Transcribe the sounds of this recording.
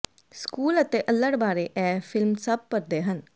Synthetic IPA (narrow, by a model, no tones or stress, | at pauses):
skuːlət̪eːʔəlːəɽbaːɾeːʔɛːpʰɪlmsəb̚pəɾd̪eːɦən